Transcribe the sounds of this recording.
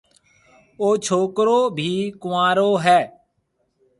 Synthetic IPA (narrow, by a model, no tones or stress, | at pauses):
oːt͡ʃʰoːkɾoːbʱiːkʊmaːɾoːɦɛː